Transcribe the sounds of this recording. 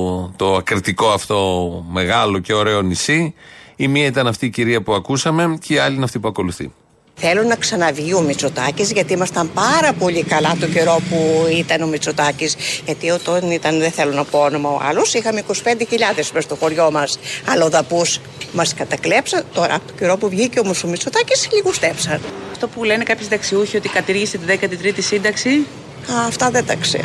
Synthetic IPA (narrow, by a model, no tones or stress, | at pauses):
t̪o̞ɐkɾit̪iko̞ɐft̪o̞me̞ɣɐlo̞ce̞o̞ɾe̞o̞nisiimiɐit̪ɐnɐft̪iːciɾiɐpuɐkusɐme̞ceiɐlinɐft̪ipuɐko̞luθḭ | θe̞lunɐksɐnɐvʝiomit͡so̞t̪ɐcizʝɐt̪iimɐst̪ɐmpɐɾɐpo̞ʎikɐlɐt̪o̞ɟe̞ɾo̞puit̪ɐno̞mit͡sot̪ɐcisʝɐt̪io̞t̪onit̪ɐnðeθelonɐpoono̞mɐo̰ɐ̰losixɐmiko̞si̥pe̞nd̪eçiʎɐðe̞smest̪o̞xo̞ɾʝo̞mɐsɐlɐoðɐpus | mɐskɐt̪ɐklepsɐnt̪o̞ɾɐ̰pot̪oceɾo̞puvʝiceomosomit͡so̞t̪ɐcisʎiɣust̪efsɐnɐft̪opulenekɐpçisd̪ɐksiuçio̞t̪ikɐt̪iɾʝiset̪iðekɐt̪it̪ɾit̪isind̪ɐksi | ɐːft̪ɐðend̪ɐksḛ